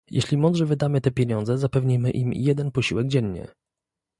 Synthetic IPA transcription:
jɛ̰ɕlʲimɔnd̪ʐɛvɘd̪amɘt̪ɛpʲjeɲɔnd̪zɛzapɛvɲijmɘ̰ʔimjɛd̪ɛnpɔɕiwɛɡd͡ʑɛɲɲɛ̰

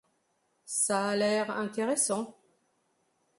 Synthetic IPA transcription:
saːlɛʁɛ̃t̪eʁesɑ̃

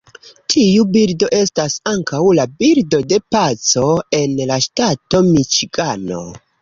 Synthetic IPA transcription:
tʰiubiɾdo̞ʔe̞stasaŋkawlabiɾdo̞de̞pat͡so̞e̞nlaʃtato̞mit͡ʃiɡano̞̰

